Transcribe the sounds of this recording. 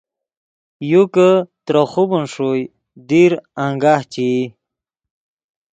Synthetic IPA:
jukət̪ɾəχubunʂuj | d̪iɾaŋɡaht͡ɕi

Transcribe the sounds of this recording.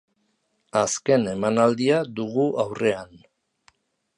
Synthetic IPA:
aske̞ne̞manald̪iad̪uɣuʔawre̞an

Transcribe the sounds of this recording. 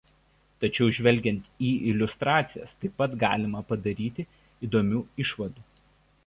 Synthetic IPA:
t̪ɐt͡ʃʲɛʊʒʲʋʲɛlʲɡʲɛnʲt̪ʲiːɪlʲʊst̪ɾɑːt̪sʲɪjɛ̰st̪ɐɪpːɐt̪ɡɑ̰ːlʲɪmɐpɐd̪ɐɾʲiːt̪ʲɪ | iːd̪oːmʲuːɪʃʋɐd̪uː

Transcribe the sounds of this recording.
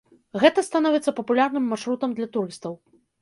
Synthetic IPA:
ɣɛt̪ɐst̪anɔvʲɛt̪sːɐpɐpulʲarnɨmːaʂɾut̪ɐmd̪lʲɐt̪uɾɨst̪ɐw

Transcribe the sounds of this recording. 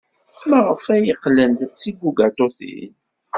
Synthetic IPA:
məʁəfæjəqːlənd̪t͡sːiɡʷːuɡat̪oθḭn

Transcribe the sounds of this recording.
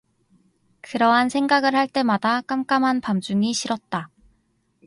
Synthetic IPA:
kɯɾʌɦansʰe̞ŋɡaɡɯɭhaɭt͈e̞madak͈amk͈amɦanpamd͡ʑuŋiɕʰiɾʌt̚t͈a

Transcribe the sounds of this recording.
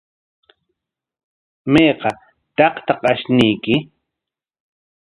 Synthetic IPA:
mejqɑ | t̪ɑqt̪ɑqaʃnɪjkɪ

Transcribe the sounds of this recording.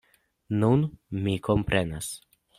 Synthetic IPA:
nunmikompɾʔenas

